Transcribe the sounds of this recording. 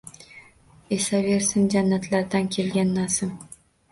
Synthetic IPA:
e̞save̞ɾsɪnd͡ʒanːat̪ʰlaɾd̪ankʲʰe̞lɡʲanːasɪm

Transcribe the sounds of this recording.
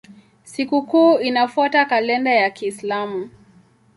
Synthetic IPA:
sikukuːinafwɔtakalɛndajakiːslamu

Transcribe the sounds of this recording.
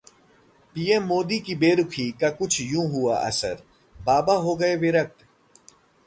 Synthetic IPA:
piːẽmːoːd̪ikibeːɾʊkʰiːkakʊt͡ʃʰjũːɦʊaʔɐ̰sə̰ɾ | baːbaɦoːɡɐeʋɪɾɐk̚t̪

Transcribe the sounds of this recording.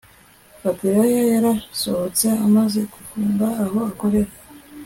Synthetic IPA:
fatiɾajajaɾaso̞ho̞t͡seamaze̞ɡufuːmbaːho̞ako̞ɾe̞ɾa

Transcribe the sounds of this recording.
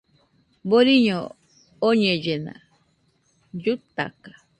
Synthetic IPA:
boɾiɲo | oɲẽd͡ʒenã̰ | d͡ʒut̪a̰kḁ

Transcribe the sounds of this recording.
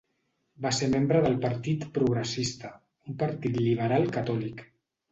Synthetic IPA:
baseɾmembɾəðəlˠpəɾt̪it̪pɾuɣɾəsist̪ə | umpəɾt̪it̪liβ̞əɾalˠkət̪ɔlik

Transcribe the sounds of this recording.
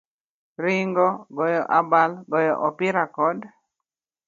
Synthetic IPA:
ɾɪŋɡɔɡɔjɔʔabalɡɔjɔ̰ʔɔpɪɾakɔd

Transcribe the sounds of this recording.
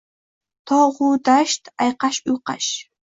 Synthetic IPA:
tʰoʁʷudaʃtʰajqɑʃuqɑ̰ʃ

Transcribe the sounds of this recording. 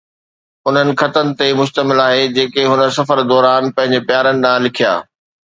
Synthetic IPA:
ʊn̤ənɪ̆xɐt̪ənɪ̆t̪emʊʃt̪əmɪlaːɦed͡ʑeːkeɦʊnə̆sɐfəɾd̪ɔːɾaːnpɐ̃ɦɪ̃ɲd͡ʑepjaːɾənɪ̆ɗ̪ãːlɪkʰija̰ː

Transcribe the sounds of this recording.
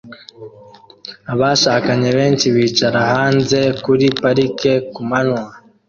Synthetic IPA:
aβaʃaːkaɲe̞βe̞ːnt͡ʃiβiːt͡ʃaɾahaːnze̞kuɾipaɾike̞kumanwa

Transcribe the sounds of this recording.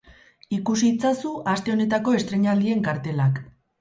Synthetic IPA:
ikus̬it͡sasuʔast̪e̞o̞ne̞t̪ako̞e̞st̪ɾe̞ɲald̪ie̞ŋkaɾt̪e̞lak

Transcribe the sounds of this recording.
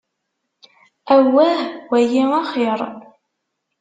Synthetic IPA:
æwæhwæjiɑχeɾˤ

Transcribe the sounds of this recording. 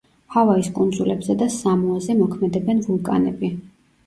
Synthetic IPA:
havaiskʼund̪zulɛbzɛd̪asamɔazɛmɔkʰmɛd̪ɛbɛnvulˠkʼa̰nɛbi

